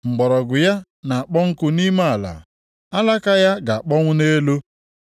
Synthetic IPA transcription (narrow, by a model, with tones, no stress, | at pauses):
ŋ͡m̩˨ɡ͡bɔ˨ɾɔ˨ɡʊ˨ja˦ | na˨a˨k͡pɔ˦ŋ̩˦kʊ˦ni˦ma˦a˨la̰˨ | a˦la˦ka˦ja˦ɡa˨a˨k͡pɔ˦ŋʷʊ˦ne˦lo˦